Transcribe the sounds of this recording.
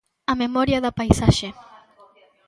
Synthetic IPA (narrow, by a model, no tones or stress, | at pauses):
amemɔɾjaðapajsaʃe